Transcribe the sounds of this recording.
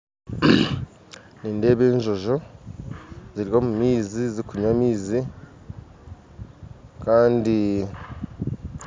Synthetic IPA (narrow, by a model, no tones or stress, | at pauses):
niːnde̞ːβe̞ːɲʒo̞ʒo̞ | ziɾio̞ːmumiːzizikuɲwamiːzi | kaːndi